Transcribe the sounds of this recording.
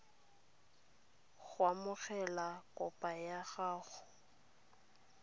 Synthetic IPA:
ɣwamʊɣɛlakʼɔpʼajaɣaːχʊ

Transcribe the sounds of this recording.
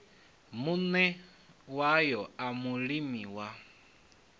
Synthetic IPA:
munɛ | wajɔamuɺimiwa

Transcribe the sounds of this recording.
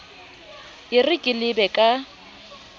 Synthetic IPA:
ɪrɪkʼɪlɪbɛkʼa

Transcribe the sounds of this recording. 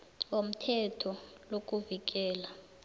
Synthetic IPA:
om̩tʰɛtʰɔlok̬ʼuvik̬ɛːla

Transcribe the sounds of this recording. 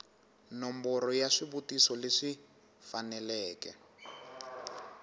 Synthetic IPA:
nɔmbɔɾɔjaʂiβutisɔleʂi | fanɛlɛːkɛ̰

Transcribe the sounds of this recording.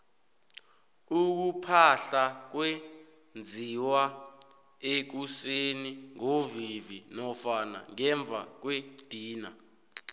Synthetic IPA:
uk̬upʰaɬak̬we | nd͡zʱiwa | ek̬useniŋovivinɔfana̰ŋɛɱb̪vʱa̰k̬wed̥ʱiːna

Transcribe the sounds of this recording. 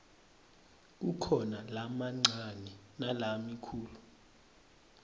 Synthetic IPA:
k̬ukʰɔnalamaŋ͡ǀʱanɛnalamikʰuːlu

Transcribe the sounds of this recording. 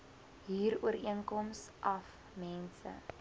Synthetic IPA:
ɦiːɾuəɾiəŋkɔmsʔɐf | mɛnsə̰

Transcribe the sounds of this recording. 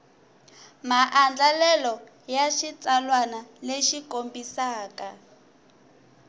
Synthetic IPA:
maʔand͡ɮalɛlɔ | jaʃit͡salwanaleʃikombisaːka

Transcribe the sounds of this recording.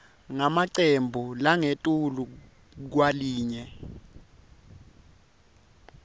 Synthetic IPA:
ŋamaǀembʱulaŋetʼulu | k̬waliːɲɛ

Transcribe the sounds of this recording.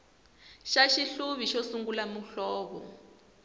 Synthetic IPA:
ʃaʃiɬuβiʃɔsuŋɡulamuɬɔːβɔ̰

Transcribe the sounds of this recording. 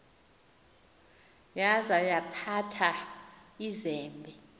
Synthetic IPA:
jazajapʰatʰa | izɛːmbʱɛ

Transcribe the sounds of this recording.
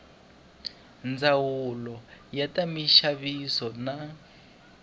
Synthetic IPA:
nd͡zawulɔjatamiʃaβisɔna

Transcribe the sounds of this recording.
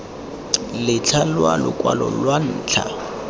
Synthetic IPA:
lɪt͡ɬʰalwalʊkʼwalɔ̰lwan̩ːt͡ɬʰa

